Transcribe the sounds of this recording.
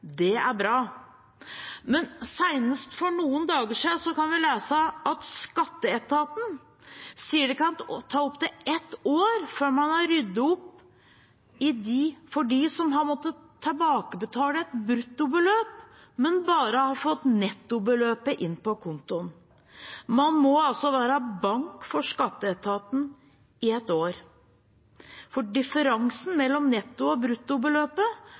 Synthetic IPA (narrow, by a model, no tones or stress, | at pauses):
d̪ɛæɾbɾɑː | mɛnsæɪnəst̪fɔɳuːənd̪ɑːɡəʂisɔkɑnʋɪleːsəʔɑt̪skɑt̪ːəɛt̪ɑːt̪n̩ | siːəɖɛkɑnt̪ʰːɑːʊpt̪ɪɛt̪oːɾføːɾmɑnæɾʏd̪ːəɔpː | ɪd̪ɪfɔɖiːsɔmɦɑɾmɔt̪ːət̪ʰːɑbɑːkəbət̪ʰɑːləɛt̪bɾʉt̪ːʊbəløːp | mɛnbɑːɾəhɑfɔt̪nɛt̪ːʊbəløːpəʔɪnːpɔkʰʊnt̪ʊn | mɑnmɔɑlsɔʋæːɾɑbɑŋkfɔʂkɑt̪ːəɛt̪ʰɑːt̪n̩ | ɪɛt̪ːoːɾ | fɔɖɪfəɾɑŋsn̩mɛlːɔmnɛt̪ːʊɔbɾʉt̪ːʊbəløːpə